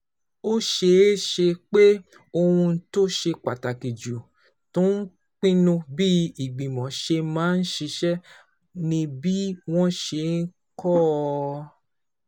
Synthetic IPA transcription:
o˦ʃe˧˦ʃe˧k͡pe˦ | o˧hũ˧˦to˦ʃe˧k͡pa˨ta˨ki˨d͡ʒu˨ | tũ˦n̩˦ | k͡pĩ˦nũ˧bi˦i˨ɡ͡bĩ˨mɔ̃˨ʃe˧mãː˨˦n̩˦ʃe˧ʃɛ˦ | nĩ˧bi˦w̃ɔ̃˦ʃe˧˨n̩˦ | kɔ˦˧

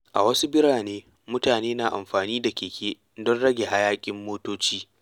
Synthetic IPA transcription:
ʔa̰˨wɐ˦su˦bɪ˦ɽaː˨neː˦ | mʊ˦taː˨neː˦naː˨ʔa̰˨mɸaː˨niː˦da˨kʲeː˨kʲeː˦ | dɔ˦nɽɐ˦ɡʲe˨ɦa˦jaː˦kʲʼɪ˦mːoː˦toː˦t͡ʃiː˦

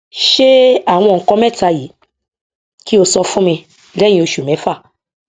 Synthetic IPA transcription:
ʃe˦a˦˨w̃ɔ̃˧˨ŋ̩˨kɔ̃˧˦mɛ̃˦˨ta˧ji˨˦ | ki˦o˧sɔ˧fũ˦mĩ˧ | lɛ̃˦ĩ˧o˧ʃu˨mɛ̃˨˦fa˦˨

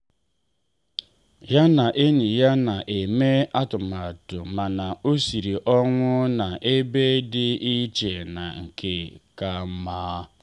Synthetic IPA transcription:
ja˦na˨ʔe˦ni˨ja˦na˨ʔe˨me˦a˦tʊ˨ma˨tʊ˨ma˨na˨o˦si˨ɾi˨ʔɔ˦ŋʷʊ˦na˨ʔe˦be˦dɪ˦i˦t͡ʃe˨na˨ŋ̩˨kʰe˨ka˨m̩˦maː˦

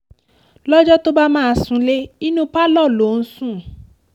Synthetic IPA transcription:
lɔ˦d͡ʒɔ˦to˦ba˦mãː˦a˧˨sũ˧˦le˦i˦nũ˦pa˦lɔ˦˨lo˨˦˨n̩˦sũ˦˨

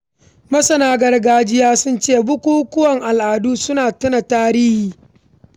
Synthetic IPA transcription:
mɐ˦sɐ˨naː˦ɡɐ˨rɡaː˦d͡ʒɪ˦jaː˦sʊ˦nt͡ʃeː˦˨bʊ˦kʷuː˦kʷʊ˦wɐ˨ŋʔa˨lʔaː˨duː˦sʊ˦naː˨tʊ˦na˨taː˦ɾiː˦hiː˨

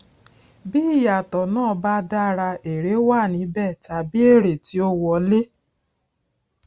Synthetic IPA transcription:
bi˦i˦˨ja˨tɔ˨nãː˦˨˧ba˦da˦ɾa˧e˨ɾe˨˦wa˦˨nĩ˨˦bɛ˦˨ta˨bi˦e˦˨ɾe˨ti˦o˦wɔ˧le˦

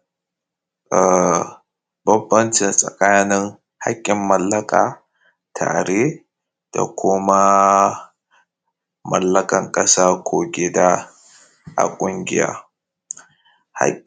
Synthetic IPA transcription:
ʔa˨ | bɐ˦bːɐ˦nt͡ʃɪ˨nsʼɐ̰˨kaː˦nɪ˦ŋ | ha̰˦kʲʼːɪ˨mːɐ˦lːɐ˦kʼaː˨ | tʰa̰ː˨ɾe˦ | d̥a̰˨kʷʰʊ˦ma˦ | mɐ˨lːɐ˦kʼɐ˨ŋkʼɐ˦saː˦kʷʰoː˨ɡʲɪ˦da˦ | ʔa̰˨kʷʼʊ˦ŋɡʲɪ˦ja̰ː˦ | ha̰˦

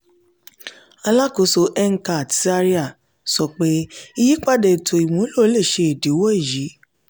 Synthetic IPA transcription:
a˧la˦ko˨˦so˧˦ʔɛ˦ŋ̩˦ka˨ti̥˦sa˦ɾi˦a˦˨ | sɔ˧˨k͡pe˦i˦ji˦k͡pa˦dɛ˨tʰo˨i˨mũ˨˦lo˦˨˦le˦˨ʃe˧e˨de˨˦wɔ˦i˦˨ji˨˦

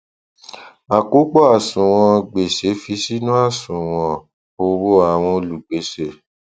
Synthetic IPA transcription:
a˨ko˨˦k͡pɔ˦a˨sũ˨w̃ɔ̃˧ɡ͡be˨se˨˦fi˧˦si˦nũ˦a˦˨sũ˨w̃ɔ̃˧ | o˧wo˦a˦˨w̃ɔ̃˧o˧lu˨ɡ͡be˨˦se˨

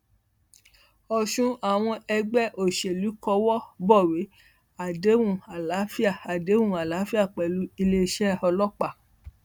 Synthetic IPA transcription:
ɔ˧ʃũ˦a˦˨w̃ɔ̃˧ɛ˧ɡ͡bɛ˦˨ʔo˨ʃe˨lu˨˦kɔ˧wɔ˦bɔ˦˨we˨˦ | a˨de˨˦wũ˦˨a˨la˨˦fi˦a˦˨a˨de˨˦wũ˦˨a˨la˨˦fi˦a˦˨k͡pɛ˨lu˨˦i˧le˧ʃɛ˦ɔ˧lɔ˦k͡pa˦˨

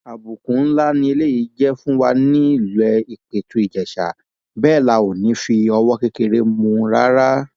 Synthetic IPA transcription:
a˨bu˨kũ˨˦n̩˦la˦nĩ˧e˧le˦˨ji˨˦d͡ʒɛ˦fũ˦wa˧nĩ˦i˦˨lu˨ɛ˧i˨k͡pe˨tu˨˦i˦˨d͡ʒɛ˨ʃa̰˨ | bɛː˦˨la˨˧˦o˨nĩ˨˦fi˧ɔ˧wɔ˦ke˧ke˧ɾe˧mũ˧˦ɾa̰˦ɾa˦

